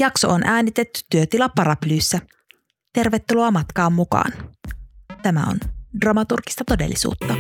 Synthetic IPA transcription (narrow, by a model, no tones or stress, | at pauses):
jɑkso̞̰ʔonʔæːnit̪e̞t̪ːy̥t̪ːyøt̪ilɑpːɑɾɑplyːsːæ | t̪e̞rʋe̞t̪ːuloɑmɑt̪kɑːmːukɑ̰ːn | t̪æmæ̰o̰ndrɑmɑt̪urki̥st̪ɑt̪ode̞̰lːisṵːt̪ːɑ